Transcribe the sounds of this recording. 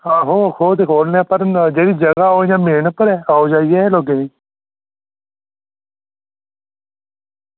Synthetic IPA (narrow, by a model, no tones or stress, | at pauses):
aːɦoːkʰoːt̪eːkʰoːlneaːpəɾd͡ʒeːɽiːd͡ʒəɡaːɦoːjãːmeːɳəpəɾɛːaːod͡ʒaːiːeɛloːɡeːnĩː